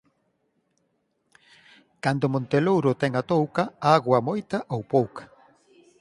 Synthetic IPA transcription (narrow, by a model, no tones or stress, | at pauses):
kand̪ʊmõnt̪elowɾʊt̪ɛŋat̪owkaaɣwɐmojt̪ɐʔowpowkḁ